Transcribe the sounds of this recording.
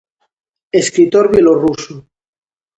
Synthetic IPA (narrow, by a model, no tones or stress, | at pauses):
eskɾit̪oɾβjeloruso